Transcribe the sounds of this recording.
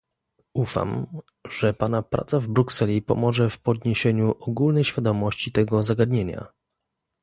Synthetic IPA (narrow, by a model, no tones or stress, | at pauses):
ufa̰m | ʐ̥ɛpanapɾa̰t̪savbɾuksɛlʲipɔ̰mɔʐɛfpɔd̪ɲeɕeɲuʔɔɡulnɛjɕfʲjad̪ɔmɔɕt͡ɕit̪ɛɡɔzaɡad̪ɲeɲa̰